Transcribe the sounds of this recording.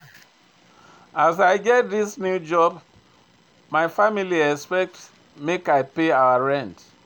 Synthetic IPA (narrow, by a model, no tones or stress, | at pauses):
azaɪɡɛt̚ðisnjud͡ʒɔb | maɪfamiliɛspɛk̚t | mekaɪpeaʊəɹɛ̃nt